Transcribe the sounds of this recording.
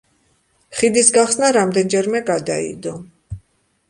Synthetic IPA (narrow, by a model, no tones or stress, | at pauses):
χid̪isɡaχsnaɾamd̪ɛnd͡ʒɛɾmɛɡad̪aḭd̪ɔ